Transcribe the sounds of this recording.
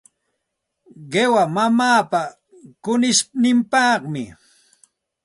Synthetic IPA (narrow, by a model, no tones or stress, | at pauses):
ɢewamamaːpa | kʊnɪsnɪmpɑqmɪ̰